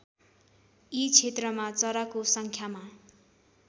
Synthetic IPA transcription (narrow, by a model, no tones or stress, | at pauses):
it͡sʰet̪rʌmat͡sʌɾakosʌŋkʰjama